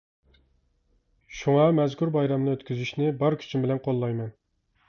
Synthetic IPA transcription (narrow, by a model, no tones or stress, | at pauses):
ʃuŋɑmɛzkʰʲuɾbɑjɾɑmnɨøt̪kʲʰyzyʃnɪbɑɾkʲʰy̥t͡ʃʰymbɪlɛnqʰolˠːɑjmɛn